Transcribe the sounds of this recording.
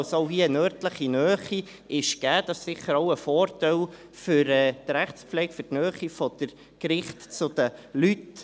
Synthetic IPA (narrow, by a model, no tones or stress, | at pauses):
soʊɦiəənœːrtləχinœːχi | ɪʃɡ̥æːd̥ɑssɪχəɾɔʊəfɔːɾtɛl | fʏɾɛːdɾæχspflɛk̚fʏɾtnœːχifɔd̥̪əɾ | kɾɪχtt͡sʊd̥əlyt